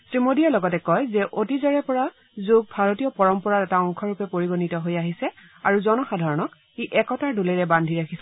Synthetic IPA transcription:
tɹimodijalɔɡɔtɛkɔjzɛʔotizɛɹɛpɔɹa | zoɡ̚bʱaɹotijɔpɔɹɔmpɔɹatɛtaɔŋkʰɔɹupɛpoɹiɡonitɔɦojaɦisɛ | aɹuzɔnɔxadʱaɹɔnɔk̚ | iʔɛkɔtaɹduleɹɛbandʱiɹakʰisɛ

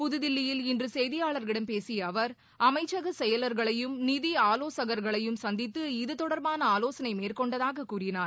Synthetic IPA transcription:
pʊðɯðɪlːɪjɪlɪndrɯsɛjðɪjaːɭɐɾɪɽɐmpeːsɪjɐːʋɐɾ | ɐmɐɪt͡ʃːɐɣɐsɛjɐlɐɾɣɐɭɐjɯmnɪðiaːloːsɐɣɐɾɣɐɭɐjɯmsɐnd̪ɪt̪ːɯɪðɯt̪ɔɽɐɾbaːnɐaːloːsɐnɐɪmeːrkɔɳɖɐðaːɣɐkːuːrɪnaːɾ

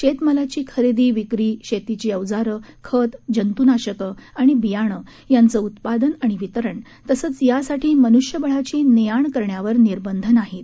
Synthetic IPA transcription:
ɕet̪məlat͡ɕiːkʰəɾed̪iːʋikɾiːɕet̪it͡ɕiːəʋd͡zaɾəkʰət̪d͡ʑənt̪unaɕəkəaɽ̃ibijaɽ̃ə | jant͡səut̪pad̪ənaɽ̃iʋit̪əɾəɳ | t̪əsəːt͡sjasaʈʰiːmənuʂjəbəɭ̤at͡ɕiːnijaɳkəɾɳjaʋəɾniɾbənd̪ʱənaɦet̪

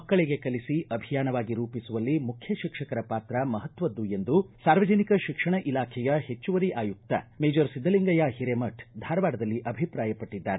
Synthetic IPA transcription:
ɐkːɐɭeɡe̞kɐlisiʔɐbʱijaːnɐʋaːɡiɾuːpisuʋɐlːimukʰjɐʃikʂɐkɐɾɐpaːt̪ɾɐmɐɦɐt̪ʋɐd̪ːue̞nd̪usaːɾʋɐd͡ʒɐnikɐʃikʂɐɳɐʔilaːkʰɛjɐhe̞t͡ʃːuʋɐɾiʔaːjuk̚t̪ɐ̰meːd͡ʒɐɾsid̪ːɐliŋɡɐjɐhiɾemɐʈʰd̪ʱaːɾɐʋaːɖɐd̪ɐlːiʔɐbʱipɾaːjɐpɐʈːid̪ːa̰ːɾe

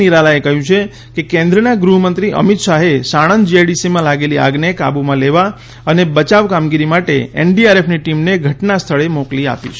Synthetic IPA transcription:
iɾalaekəɦjũt͡ʃʰe | kekẽnd̪ɾənaɡɾuɦəmənt̪ɾiʔə̰mit̪ʃaɦesaɽ̃ənd͡ʒiajɖisimãlaɡelia̰ɡneka̰bumãleʋa | ənebət͡ʃaʋkamɡiɾimaʈḛḛnɖiaɾepʰniʈimneɡʱəʈnast̪ʰəɭemoklia̰pḭt͡ʃʰ

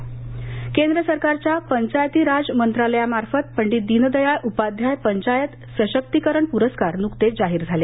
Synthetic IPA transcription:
kend̪ɾəsəɾkaɾt͡ɕjapəɲt͡ɕajt̪iːɾad͡zmənt̪ɾaləjamaɾfət̪̚pəɳɖiːd̪inəd̪əjajʔupad̪ʱjajpəɲt͡ɕajət̪ | səɕək̚t̪ikəɾəɳpuɾəskaɾnukt̪ed͡zaɦiːɾd͡zʱale

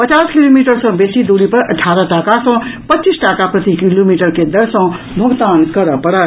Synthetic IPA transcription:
pɐt͡ʃaːskiloːmiːʈəɾsɔ̃ːbeːsid̪uːɽipɐɾɐ̰ʈʰaːɾaʈaːkasɔ̃pɐtːt͡ʃisʈaːkapɾɐt̪ikiloːmiːʈəɾked̪ɐɽsɔ̃ | bʱɐɡt̪aːnkɐɾəpɐɽa

